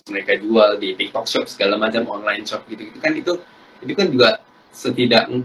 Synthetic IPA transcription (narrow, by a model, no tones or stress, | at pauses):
məɾekad͡ʒualdit̪ik̚t̪ɔk̚ʃɔpsəɡalamat͡ʃamɔnlajɪnʃɔp̚ɡit̪uɡit̪ukanit̪u | it̪ukand͡ʒuɡaʔ | sət̪idaʔŋ